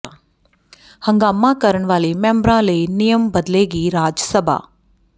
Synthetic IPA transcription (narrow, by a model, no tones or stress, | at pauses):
hɐ̃ŋɡaːmãːkɐɾəɳ̃ʋaːlimɛ̃ːmbɾãːleːnijəmbɐd̪leːɡiːɾaːd͡ʒəsəbʱa̰ː